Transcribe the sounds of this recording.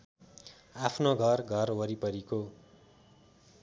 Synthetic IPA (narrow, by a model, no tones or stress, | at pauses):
apʰnoɡʱʌrɡʱʌrɦoɾipʌɾiko